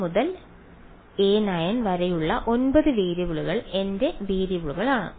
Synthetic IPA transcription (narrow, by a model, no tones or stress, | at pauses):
muðɐl | eːnajɐnʋɐɾɐjuɭːɐʔo̞nbɐðɨʋiːɾibuɭuɣɐɭe̞nde̞ʋiːɾibuɭuɣɐɭaːɳɨ̰